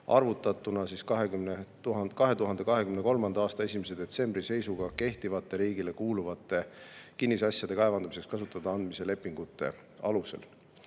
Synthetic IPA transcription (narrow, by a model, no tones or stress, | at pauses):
ɑ̰rvut̪ːˑɑt̪ːˑunɑsiskɑɦeɡymnet̪uɦɑkɑɦe̞t̪uɦɑnd̪e̞kɑɦe̞kymne̞ko̞lmɑnd̪ɑɑːst̪ɑe̞sʲimes̬e̞d̪̥e̞t̪se̞mbrise̞jsuɡ̥ɑke̞ht̪ivɑt̪ˑːe̞ɾiːɡile̞kuːluvɑt̪ːˑe̞kinːisɑsjɑd̪̥e̞kɑevɑnd̪umis̬ekskɑsut̪ːˑɑd̪ɑɑnd̪mise̞le̞pːˑiŋɡ̥ut̪ːˑe̞̰ | ɑluse̞̰l